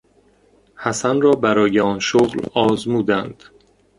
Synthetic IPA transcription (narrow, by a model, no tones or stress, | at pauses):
hæsænrɒːbæɾɒːjeɒːnʃoɣlɒːzmuːd̪ænd̪̥